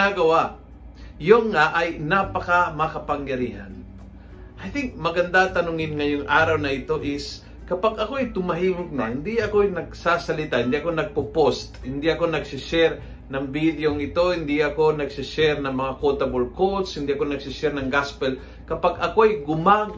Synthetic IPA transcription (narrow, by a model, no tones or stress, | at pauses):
aɡɐwa | joŋːaʔɐjnapɐkamɐkɐpɐŋjɐɾiːha̰n | ʔajθɪŋmɐɡɐnd̪at̪ɐnʊŋɪnŋɐjoŋʔaːɾɐwnɐʔɪt̪o̞ʔɪs | kɐpaɡɐko̞ɐjt̪ʊmɐɦiːmʊk̚nahɪnd̪iʔɐkojnɐɡ̚sasɐlɪt̪ahɪnd̪iʔɐko̞nɐɡ̚pʊpost̪hɪnd̪iʔɐko̞nɐɡsɪʃɛɾ | nɐŋbid̪joŋɪt̪o̞hɪnd̪iʔɐko̞nɐɡsɪʃɛɾnɐŋmɐŋakot̪ɐbolkot̪shɪnd̪iʔɐkonɐɡ̚sɪʃɛɾnɐŋɡaspɛl | kɐpaɡʔɐko̞ɐjɡʊma